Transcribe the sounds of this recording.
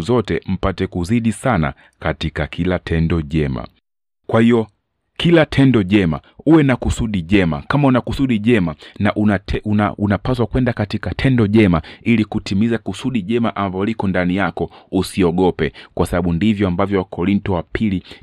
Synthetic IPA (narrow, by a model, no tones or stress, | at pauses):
zɔtɛm̩patɛkuziɗisana̰ | katikakʰilatʰɛndɔʄɛma̰ | kwahijɔ | kʰilatʰɛndɔʄɛma̰uwɛnakusuɗiʄɛma̰kamaunakusuɗiʄɛmanaʔuaaunapas̬wakwɛndakatikatʰɛndɔʄɛmailikutimizakusuɗiʄɛmaʔambaɔlikɔndanijakɔusiɔɠɔpɛkwasaɓaɓundivjɔambavjɔwakʰɔɾintɔwapʰili